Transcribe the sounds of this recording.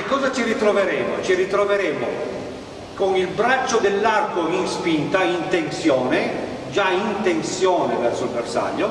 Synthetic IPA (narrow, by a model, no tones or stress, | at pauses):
ekːɔːzat͡ʃirit̪ɾoveɾɛːmot͡ʃiɾit̪ɾoveɾɛːmo | konilbɾat͡ʃːod̪elːarkoinspint̪aint̪ensjɔːne | d͡ʒaint̪ensjɔːnevɛrsoilversa̰ʎːo